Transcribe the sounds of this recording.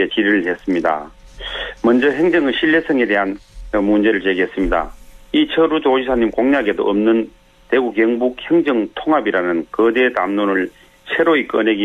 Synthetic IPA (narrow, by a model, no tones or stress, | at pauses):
et͡ɕiɾɯɭɦe̞s͈ɯmɲida̰ | mʌnd͡ʑʌɦeŋd͡ʑʌŋɯɭɕʰiɭːe̞sʰʌŋe̞de̞ɦanmund͡ʑe̞ɾɯɭt͡ɕeɡiɦes͈ɯmɲida̰it͡ɕʰʌɾud͡ʑoɕisʰaɲimkoŋɲaɡedo̰ʔʌmnɯn | te̞ɡuɡjʌŋbuk̚heŋd͡ʑʌŋtʰoŋɦabiɾanɯnkɯde̞tamnonɯɭ | sʰe̞ɾoik͈ʌne̞ɡi